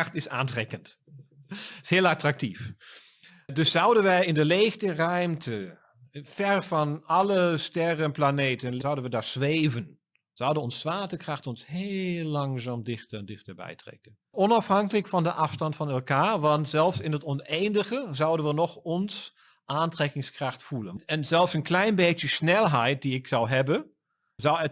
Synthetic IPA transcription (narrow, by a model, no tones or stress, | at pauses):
xtɪsa̰ːntrɛkənt | shɪːəlˠatrak̚tif | dʏsːawdənʋɛjɪndəleːxtərœɥmtʰə | fɛrfɑnɑləstɛrənplaneːtənawdənʋədasʋeːvən | z̥awdənɔnsʋaːtəkraxtɔnsheːlːaŋzaːmdɪxtəɛndɪxtəɹbɛ̰jtrɛ̰kən | ɔnafhaŋkələkfɔndəʔafstɑntfɔnɛlˠkaːʋɑntsɛlˠfsɪnətɔnejndəɣəzawdənʋənɔxɔns | ʔaːntrɛkɪŋskraxtfulˠənɛnzɛlˠfsənklɛjnbeːtjəsnɛlˠɦɛjt̚diɪksawɦɛbə | zawɛ